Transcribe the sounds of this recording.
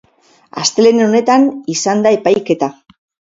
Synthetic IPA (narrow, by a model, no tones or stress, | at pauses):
a̰st̪e̞le̞neo̞ne̞t̪anisand̪ae̞pajke̞t̪a